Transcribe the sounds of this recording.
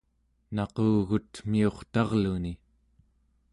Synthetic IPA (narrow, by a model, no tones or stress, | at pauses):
nɑqoːɣut̪mio̞χt̪ɑʁluni